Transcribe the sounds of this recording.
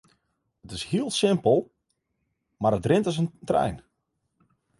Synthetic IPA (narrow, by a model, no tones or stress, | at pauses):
ətɪshiəlˠsɪmpəlˠ | maɾətrɪntəs̬əntrɛ̰jn